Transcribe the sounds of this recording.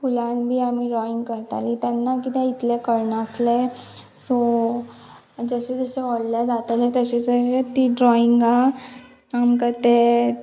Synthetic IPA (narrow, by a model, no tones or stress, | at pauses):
fulanbʱiːamiɾɔiŋɡkəɾt̪a̰lit̪janːakit̪ẽit̪lekəɾɳəsle | sɔ | d͡zəɕed͡zəɕeʋɔɽljad͡zat̪alet̪əɕed͡zəet̪iɖɾɔiŋɡa | amkət̪e